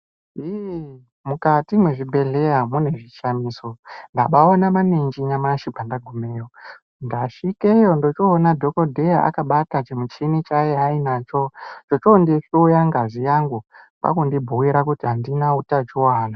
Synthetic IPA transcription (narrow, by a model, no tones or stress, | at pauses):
i | mukatimwe̞ʐibʱe̞ɮe̞jamune̞ʐiʃamiːso̞ndaɓaonamaneɲd͡ʒiɲamaʃibʱandaɡʱumejo | ndaʂikejo̞ndo̞t͡ʃoːnadʱo̞kodʱe̞jaa̰kaɓatat͡ʃemut͡ʃinit͡ʃajeainat͡ʃot͡ʃot͡ʃondifiojaŋɡaʐijaŋɡu | pa̰kundibʱowiɾakutiɦandinautat͡ʃiwaːna